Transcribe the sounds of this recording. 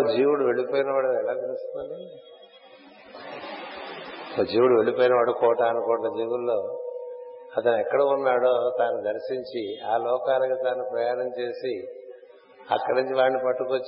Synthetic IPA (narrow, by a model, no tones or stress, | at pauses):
od͡ʒiːwuɽuʋe̞ɭipoːjinɐʋaːɽuɛlaːt̪ilust̪ond̪i | oːd͡ʒiːwuɽuʋe̞ɭipoːjinɐʋaːɽukɔːʈɐːnukɔːʈːɐd͡ʒeɡulːo̞ː | ɐt̪ɐnuɛkːɐɽɐunːaːɽoːt̪aːnud̪ɐɾʃiɲt͡ʃiaːlɔːkaːlɐkat̪aːnupɾɐjaːɾɐmt͡ʃe̞ːsi | ɐ̰kːɐɽiɲt͡ʃiʋaːnipɐʈːukot͡ʃː